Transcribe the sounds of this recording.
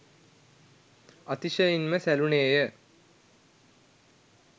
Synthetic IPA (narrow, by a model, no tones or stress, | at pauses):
ɐt̪iʃəjinməsæluneːjə